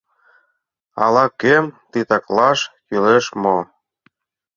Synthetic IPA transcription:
ɑ̰lɑkemt̪it̪ɑklɑʃkyleʃmo

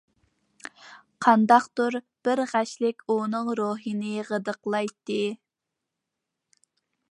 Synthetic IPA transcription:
qʰɑnd̪ɑqt̪uɾ | b̥ɪɾʁæʃlɪkʲunɨŋɾoɦinɨʁəd̪əqlˠɑjt̪ːɨ

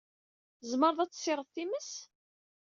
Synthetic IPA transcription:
zməɾˤðˤæt͡sːsˤːɪɾˤəðˤθiməs

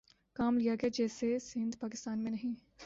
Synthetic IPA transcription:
kaːmlijaɡad͡ʒɛːsesɪ̃nd̪paːkɪst̪aːnmẽnɐɦĩ

